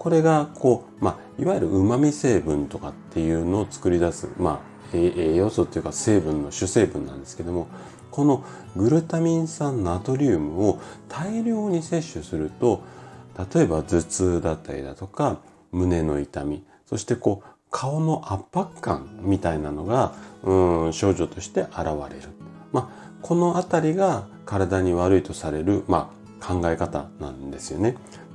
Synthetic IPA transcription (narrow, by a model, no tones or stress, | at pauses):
ko̞ɾe̞ɡako̞ː | ma | iβajiɾɯ̟ʔɯmamʲise̞ːbɯ̟̃nt̪o̞kat̪ːe̞jɯ̟no̞ːt͡sɨ̥kɯ̟ɾʲid̪asɨ̰ma | eejo̞sot̪ːejɯ̟kase̞ːbɯ̟̃nːo̞ɕɨse̞ːbɯ̟̃nːã̰nd̪e̞sɨ̥ke̞d̪o̞mo̞ | ko̞no̞ | ɡɯ̟ɾɯ̟t̪amʲĩɰ̃sãnːo̞at̪o̞ɾʲɯːmɯ̟o̞t̪ʰaiɾʲo̞ːɲ̟ise̞ɕːɨsɨɾɯ̟t̪o̞t̪at̪o̞e̞bad͡zɨt͡sɨːd̪at̪ːa̰ɾʲḭd̪a̰t̪o̞ka | mɯ̟ne̞no̞it̪amʲi | so̞ɕi̥t̪e̞ko̞ː | kʰao̞no̞ʔapːakːã̰mmʲit̪ainano̞ɡaɯ̃ɕo̞ːʑo̞t̪o̞ɕi̥t̪e̞ʔaɾaβ̞aɾe̞ɾɯ̟ | ma | kʰo̞no̞at̪aɾʲiɡa | kaɾad̪aɲ̟iβaɾɯ̟it̪o̞saɾe̞ɾɯ̟ma | kʰãŋɡae̞kat̪a̰nã̰nd̪e̞sɨjo̞ne̞